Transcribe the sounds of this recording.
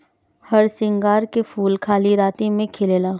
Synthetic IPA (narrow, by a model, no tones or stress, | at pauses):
hɐɾsɪ̃ŋɡaːɾkefuːlkʰaːliɾaːt̪emẽkʰɪleːlaː